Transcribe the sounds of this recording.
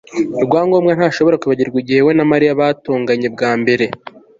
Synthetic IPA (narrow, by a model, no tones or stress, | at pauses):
ɾɡwaːŋɡo̞ːmɡan̥haːʃo̞βo̞ɾakuβaɟiɾɡiɟihe̞we̞namaɾijaβaːtoːŋɡaɲe̞bɡaːmbe̞ɾe̞